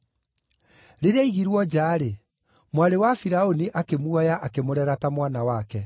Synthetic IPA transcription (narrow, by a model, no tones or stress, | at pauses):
ɾeɾeaiɣiɾwɔd͡ʑaːɾe | mwaɾewafiɾaoniʔakemuajaʔakemoɾɛɾatamwanawaːkɛ